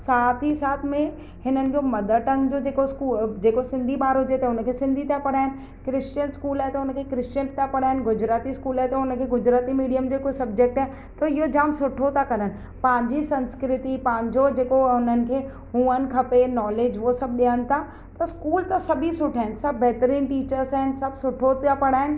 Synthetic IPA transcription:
saːt̪ʰisaːt̪ʰmẽ | hɪnənɪ̆d͡ʑomɐd̪ʱəʈə̃ŋɡd͡ʑod͡ʑeːkoskuːd͡ʑeːkosɪ̃nd̪ʱibaːɾoʊd͡ʑet̪ɐɦʊnəkʰeːsɪ̃nd̪ʱit̪apɐɽaːɦɪnɪ̆ | kɾɪst͡ɕənskuːlaːet̪ɐɦʊnə̆kʰekɾɪst͡ɕənt̪ʰapɐɽ̤aːɪnɪ̆ɡʊd͡ʑɾaːt̪iskuːlaːɪt̪ɐɦʊnə̆kʰeɡʊd͡ʑɾaːt̪imiːɖijəmd͡ʑokosɐbd͡ʑek̚ʈaːɦɪ | t̪ɐɪɦod͡ʑaːmsʊʈʰot̪ʰakɐɾənɪ̆ | pɐ̃ɦɪ̃ɲd͡ʑisɐ̃nskɾɪt̪ipɐ̃ɦɪ̃ɲd͡ʑod͡ʑeːkoʊnənɪ̆kʰeː | ɦũːən̆kʰɐpenɔːleːd͡ʑosɐb̚ɗiənɪ̆t̪ʰa | t̪ɐskuːlt̪ɐsɐbʱisʊʈʰaːɪnsɐbʱːɛɦt̪əɾiːnʈiːt͡ɕəɾsaːɦɪnsɐbʱsʊʈʰot̪japɐɽ̤aːɦɪnɪ̆

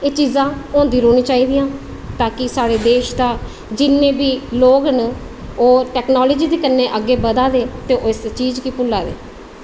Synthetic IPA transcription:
eːt͡ʃiːzãːõːnd̪iːɾoːnĩːt͡ʃaːiːd̪ɪjãː | t̪aːkɪsaːɽeːd̪eːʃd̪aː | d͡ʒɪnːẽːbiːloːɡən | oːɾʈɛːknɔːləːd͡ʒiːd̪eːkənːeːʔəɡeːbəd̪aːd̪eːt̪eːʔɪst͡ʃiːd͡ʒkiːpʊlːaːd̪ḛː

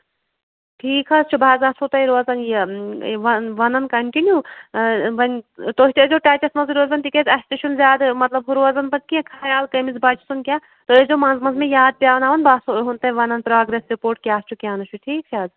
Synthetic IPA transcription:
ʈʰiːkʰɐst͡ʃʰubʱaːzaːsot̪ɐiɾoɐzɐnjeʋɐʋɐnɐnkɐɳʈinju | ʋɐnt̪oːɦit̪eezoʈaːt͡ʃɐsmɐnziɾoːzɐnt̪ikezɐst̪eʃunzʲaːd̪mɐt̪lɐbɦuɾoɐzɐnbɐnkiɐ̃kʰaːjaːlkɐmizbaːt͡ʃʰisunkʲjaː | t̪oezomɐnzmɐnzmẽjaːd̪̚pʲjaːʋɐnaːʋɐnbʱaːsɦunt̪ɐ̃ʋɐnɐnpɾaːɡɾesɾipoːɾʈ̚kʲjaːst͡ʃʰukʲaːnɐt͡ʃʰuʈʰiːksʰaːd̪

